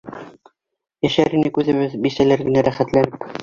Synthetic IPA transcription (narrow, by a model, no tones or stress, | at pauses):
jæʃæɾinɘkʉzɘ̆βɘðbisælæɾɡɘ̆næɾæχæt̪lænɘp